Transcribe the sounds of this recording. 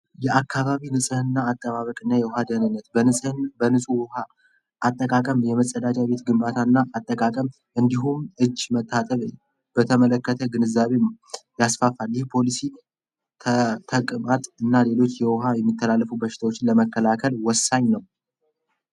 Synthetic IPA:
jɛʔakʰːaβaβinɨsʼɨhɨnːaːt̪ʼːəβaβəkʼɨnːajɛwhad̪ənɨnːət̪ʼbənɨsʼuwɔha | ʔːt̪ʼːəkʼakʼəmjɛməsʼːəd̪at͡ʃʼaβe̞t̪ɡɨmbat̪ʰanːaʔːt̪ʼːəkʼakʼəm | ʔɨnd̪iɦumʔɨd͡ʒːmət̪ʰʼːat̪ʼəβ | b̥ət̪ʰəmələkːət̪ʰəɡɨnɨzːaβe̞mjasfafaljɛhpʰo̞lisi | t̪ʰt̪ʰəkʼmat̪ʼɨnːale̞lo̞t͡ʃːjɛwɔɦajɛmːit̪ʰːəlalːəfubəʃɪ̥t̪ʰawo̞t͡ʃːɪnləməkːəlakʰəlwɔsaɲnəw

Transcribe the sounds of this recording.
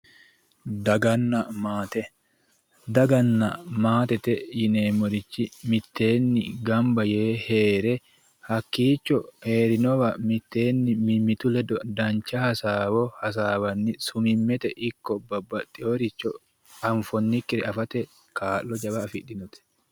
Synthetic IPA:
d̪ɐɡɐnːɐmaːt̪ɛ | d̪ɐɡɐnːɐmaːt̪ɛt̪ɛjɪneːmɔɾɪt͡ʃːɪmɪt̪ːe̞ːnːɪɡɐmbɐje̞ːhe̞ːɾɛ | hɐkːiːt͡ʃːɔhe̞ːɾɪnɔwɐmɪt̪ːe̞ːnːɪmɪmːɪt̪ʊlɛd̪ɔd̪ɐnt͡ʃːɐhɐsaːwɔhɐs̬aːwɐnːɪsʊmɪmːɛt̪ɛʔɪkːɔbɐbɐt̪ʼːɪoɾɪt͡ʃːɔ | ɐɱfɔnːɪkːɪɾɛɐfɐt̪ɛ | kaːʔːɔd͡ʒɐbɐːfɪɗːɪnɔt̪ɛ̥

